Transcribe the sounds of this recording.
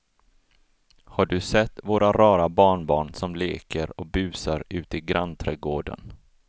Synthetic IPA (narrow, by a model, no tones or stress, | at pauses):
haɖɵsɛt̪ːvoːɾʔaɾɑːɾabɑːɳbɑːɳsɔmleːkəɾɔk̚bʉ̟ːsaɾʉ̟ːt̪ɪɡɾant̪ʰɾɛɡoːɖə̰n